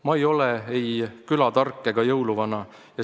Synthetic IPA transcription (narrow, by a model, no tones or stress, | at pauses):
mɑejo̞leejkylɑt̪ɑrkːˑeɡ̥ɑjɤwluvɑnɑ | jɑ